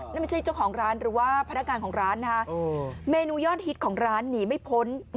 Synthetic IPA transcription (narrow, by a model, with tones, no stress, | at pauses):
na˥˩ma˥˩t͡ɕʰa˥˩jt͡ɕa˥˩wkʰɔː˩˦ŋɾaː˦˥nɾɯː˩˦waː˥˩pʰa˧nːa˦˥kŋaː˧nkʰɔː˩˦ŋɾaː˦˥nːa˧˥ka˦˥˧meː˧nuː˧jɔː˥˩t̪̚hi˦˥t̪̚kʰɔː˩˦ŋɾaː˦˥nːiː˩˦ma˥˩jpʰo˦˥n